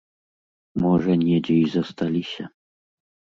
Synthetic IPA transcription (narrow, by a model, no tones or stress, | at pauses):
mɔʐɐnʲɛd͡zʲɛizɐst̪alʲisʲɐ